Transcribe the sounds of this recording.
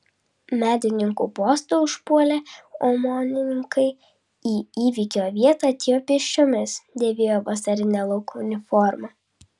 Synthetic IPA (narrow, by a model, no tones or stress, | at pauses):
mʲæːd̪ʲɪnʲɪŋkupoːst̪uːʊʃpuɔlʲeːɔmɔnʲɪnʲɪŋkɐɪ | iːiːʋʲikʲoːʋʲiɛt̪ɑːˑɐt̪ʲeːjoːpʲɪʃʲt͡ʃʲomʲɪsd̪ʲeːʋʲeːjoːʋɐsɐɾʲɪnʲɛlˠɔʊkuʊnʲɪfɔɾmɑ